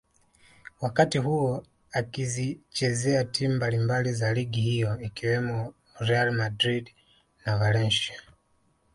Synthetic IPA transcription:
wakatiɦuɔ | akizit͡ʃɛzɛatʰimumbalimbalizaliɡihijɔikiwɛmɔ | ɾɛalmadɾid | navalɛnʃa

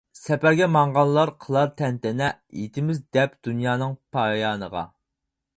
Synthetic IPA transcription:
sɛpæɾɡʲɛmɑɴʁɑllˠlːˠɑɾqʰəlˠɑɾt̪ʰɛnt̪ɛnɛjḛt̪ʰɪmɪzd̪ɛpd̪̥unjɑːnɨŋpʰɑjɑːnə̰ʁɑ̰

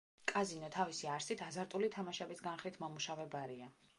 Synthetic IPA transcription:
kʼazinɔt̪ʰavisiaɾsit̪ʰazaɾt̪ʼulit̪ʰamaʃɛbisɡanχlit̪ʰmɔmuʃavɛbaɾia

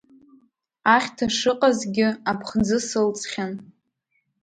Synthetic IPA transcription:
aχʲtʰaʂɨqʼazɡʲɪapʰχd͡zɨsɨlt͡sʼχʲan

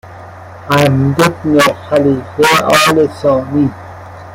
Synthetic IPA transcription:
am̩det̚nɔxalifeɔ̰lesɔ̃ni

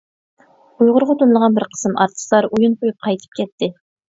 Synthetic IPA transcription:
ujʁʊɾʁɑt̪unlˠəʁɑnbɪɾqʰə̥sɨmʔɑ̰ɾt̪ʰɨ̥slˠɑɾujunqʰojup̚qʰɑjt̪ʰɨ̥p̚kʲʰɛt̪ʰːɪ

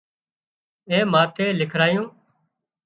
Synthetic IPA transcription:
ẽːmãːt̪eːlɪkʰɾaːjũː

